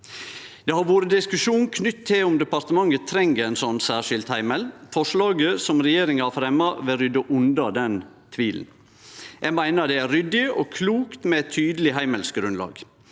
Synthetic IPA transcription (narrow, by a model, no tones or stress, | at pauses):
d̪̥eːhɑɾʋoːɾəd̪ɪskʉʃuːnn̩kʰnʏt̪ʰːɪlʊmd̪əpɑɾt̪əmɑŋːət̪ʰɾɛŋɡəɛnsɔnːsæːʂɪlt̪hæɪmɛlfɔʂɭɑːɡəsɔmɾɛjeːɾɪŋhɑfɾɛmːɑʋɛɾʏd̪əʔʉnd̪ɑd̪ɛn | t̪ʰʋiːln̩ | jæɡmæɪnəd̪ɛæɾʏd̪ɪɔkʰluːkt̪mɛɛt̪ʰːyːd̪əlɪɦæɪməlsɡɾʉnlɑ̰ːɡ̥